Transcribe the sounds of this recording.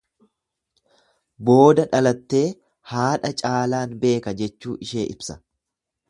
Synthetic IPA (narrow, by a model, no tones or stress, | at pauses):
bo̞ːd̪ɐᶑɐlɐt̪ːe̞ː | haːᶑɐt͡ʃʼaːlaːnbe̞ːkɐd͡ʒɛt͡ʃːuːʔɪʃe̞ːʔɪbsɐ̥